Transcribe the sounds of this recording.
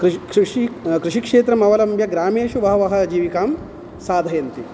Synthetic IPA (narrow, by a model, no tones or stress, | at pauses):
kɾkʂikɾuʃikʂeːt̪ɾɐmɐʋɐlɐmbjɐɡɾaːmeːʃuʋɐɦɐʋɐɦɐ̆d͡ʒiːʋikaːm | saːd̪ʱɐjɐnt̪i